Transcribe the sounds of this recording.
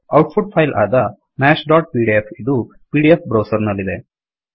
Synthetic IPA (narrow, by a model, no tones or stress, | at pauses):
ɐwʈ̚pʰuɖ̚pʰɐjlʔa̰ːd̪ɐ | mæːʃɖaːʈ̚piːɖiepʰid̪u | piːɖiep̚bɾɐwsɐɾnɐlːid̪e̞